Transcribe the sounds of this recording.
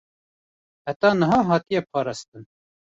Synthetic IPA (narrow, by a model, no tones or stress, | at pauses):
hæt̪ɑːnɨɦɑːɦɑːt̪ijɛpʰɑːɾɑːst̪ɨn